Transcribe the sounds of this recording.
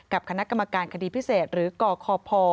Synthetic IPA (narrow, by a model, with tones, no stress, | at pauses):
ka˨˩p̚kʰa˧na˦˥ʔka˧mːa˧kaː˧nkʰa˧diː˧pʰi˦˥seː˨˩t̪̚ɾɯː˩˦kɔː˧kʰɔː˧pʰɔː˧